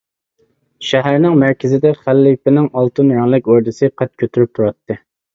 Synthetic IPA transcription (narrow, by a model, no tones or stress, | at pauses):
ʃæɦæɾnɪŋmæɾkʲʰɪzɪd̪ɛχælːɪpɪnɪŋɑlˠt̪ɨnɾɑŋlˠɪkʲoɾd̪ɨsɨqʰɛt̪̚kʲʰøt̪ʰyɾyp̚t̪ʰuɾɑt̪ːɨ